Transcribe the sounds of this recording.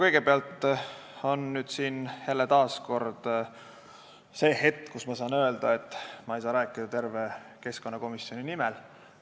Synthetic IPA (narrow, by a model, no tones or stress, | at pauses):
kɤjɡ̥e̞peɑlt̪ˑ | o̞nnyːd̪̥siːnjælːet̪ɑːsko̞rd̪̥ | se̞ːhe̞t̪ːˑkusmɑsɑːnøe̞ld̪ɑe̞t̪ːˑmɑejsɑːɾæːkːˑid̪ɑt̪e̞rve̞ke̞sko̞nːɑko̞misjo̞ninimɛl